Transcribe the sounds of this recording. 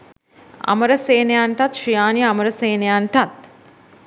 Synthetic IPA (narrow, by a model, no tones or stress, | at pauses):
ɐ̰məɾəseːnejaɳʈat̪ʂijaːniaməɾəseːnejaɳʈat̪